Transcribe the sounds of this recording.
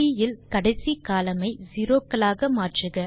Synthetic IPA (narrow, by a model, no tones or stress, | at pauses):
ɪjɪlkɐɽɐɪsikaːlɐmɐɪziːɾoːkːɐlaːɣɐmaːʈrɯɣɐ